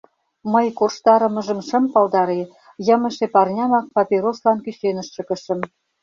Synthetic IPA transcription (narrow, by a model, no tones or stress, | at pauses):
məjkorʃt̪ɑɾə̆mə̆ʒə̆mʃə̆mpɑlˠd̪ɑɾe | jəmə̆ʃepɑrnʲɑmɑk̚pɑpʲeɾoslɑnkyɕenə̆ʃːə̆kə̆ʃə̆m